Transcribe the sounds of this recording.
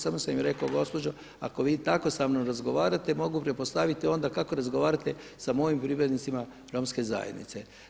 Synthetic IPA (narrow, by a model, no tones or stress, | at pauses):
samosammɾe̞kaoɡo̞spo̞d͡ʑo̞ | a̰ko̞ʋiːt̪ako̞samnomɾazɡo̞ʋaːɾat̪e̞mo̞ɡupɾepost̪aʋit̪io̞nd̪akako̞ɾazɡo̞ʋaːɾat̪e̞ | samo̞jimpɾiʋɾed̪nit̪sima | ɾo̞ːmske̞za̰jed̪nḭt̪se̞